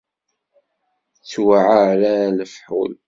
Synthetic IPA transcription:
t͡sːwaʕaɾaləfħṵl

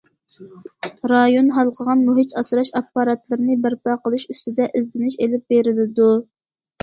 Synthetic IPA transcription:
ɾɑjonɦɑlˠqʰəʁɑnmuɦit̪ʰɑsɾɑʃɑpːɑɾɑt̪lɪɾnɪbɪɾpɑqəlˠɨʃyst̪ɪd̪ɛʔɪzd̪ɪnɪʃelɪp̚beɾɪlɪd̪u

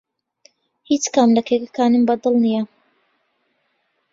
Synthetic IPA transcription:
hit͡ʃkamlɐkʰekakaːnɨmbɐd̪ɨlˠnija

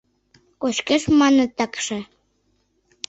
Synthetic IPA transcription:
koʃkeʃmɑnə̆t̪ɑkʃĕ

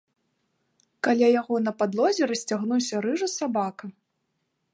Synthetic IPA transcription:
kalʲajaɣɔnɐpad̪lˠɔzʲɛɾɐsʲt͡sʲaɣnusʲɐɾɨʐɐsabakɐ

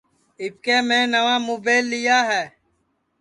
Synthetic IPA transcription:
ɪp̚keːmẽːnəʋãːmoːbeːlːɪjaːɦɛː

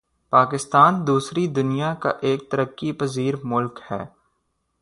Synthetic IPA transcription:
paːkɪst̪aːnd̪uːsɾid̪ʊnijaka̰ʔeːk̚t̪ɐɾəkːipɐziːɾmʊlkhɛ̰ː

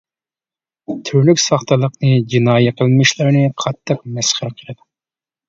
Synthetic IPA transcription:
t̪ʰyɾlykʲsɑχt̪ʰəlˠəqnɨd͡ʒinɑːjɛqʰəlˠmɪʃlɪɾnɨqʰɑt̪ʰːəq̚mɛsχəɾqʰəlˠɨd̪u

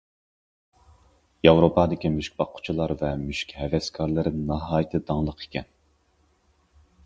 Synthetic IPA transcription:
jɑwɾopɑd̪ɪkʲimyʃkʲbɑqʰːʊ̥t͡ʃʰilˠɑɾvɛmyʃkʲhɛvɛskʰɑɾlˠɨɾɨnnɑɦɑːjɪt̪ʰɨd̪ɑŋlˠəqʰe̥kʲɛ̰n

